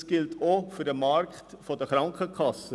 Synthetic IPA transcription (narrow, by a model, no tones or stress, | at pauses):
sɡ̥ɪltʰofydəmɑrktfodəχɾɑŋkʰəkʰɑsə